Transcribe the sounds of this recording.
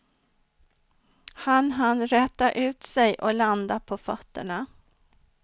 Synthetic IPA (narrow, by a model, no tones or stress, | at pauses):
hanɦanɾɛːt̪aʔʉ̟ːt̪sɛjʔɔland̪apʰɔfœt̪ːə̰ɳa